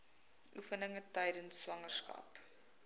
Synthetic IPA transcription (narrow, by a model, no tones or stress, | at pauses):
ʔufənəŋətəjdənsːvɐŋərskɐ̰p